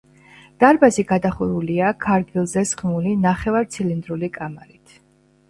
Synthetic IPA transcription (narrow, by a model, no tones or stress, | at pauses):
d̪̥aɾbaziɡad̪aχuɾuliakʰaɾɡilˠzɛsχmulinaχɛvaɾt̪sʰilind̪ɾulikʼamaɾit̪ʰ